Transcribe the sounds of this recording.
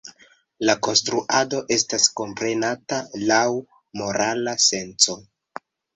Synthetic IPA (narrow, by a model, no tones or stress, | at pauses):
lako̞nstɾuʔado̞ʔe̞stasko̞mpɾe̞natalaw | mo̞ɾalase̞nt͡so̞